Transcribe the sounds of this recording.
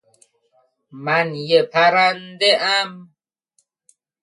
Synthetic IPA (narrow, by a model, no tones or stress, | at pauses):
manjepʰaɾandeʔam